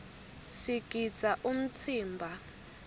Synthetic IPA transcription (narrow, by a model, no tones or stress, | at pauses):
siɡ̥ʱi̥d͡zʱʼaʔum̩tʰiːmbʱa